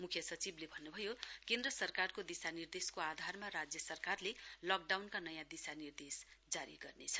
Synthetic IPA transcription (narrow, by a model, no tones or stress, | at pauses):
mukʰjʌsʌt͡siblebʱʌnːubʱʌjokẽnd̪rʌsʌrkarkod̪isanird̪eskoad̪ʱarmaɾad͡zjʌsʌrkarlelʌk̚ɖawnkanʌjãd̪isanird̪esd͡zaɾḭɡʌrnet͡sʰʌ̥